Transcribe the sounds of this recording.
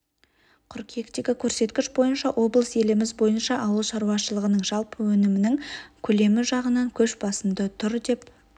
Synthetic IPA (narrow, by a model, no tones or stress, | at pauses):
qʰʊɾqje̞kt̪eɡʲɪkʲʰɵɾse̞t̪kʲɪʃbo̞jənʃɑʔo̞blˠəse̞lɪmɪzbo̞jənʃɑʔɑwəlˠʃɑɾuwɑʃəlˠəʁənəɴʒɑlˠpəwɵnɪmɪnɪŋkʲʰɵle̞mɪʒɑʁənɑŋkʲʰɵʃbɑsəmd̪ət̪ʰʊɾd̪e̞p̚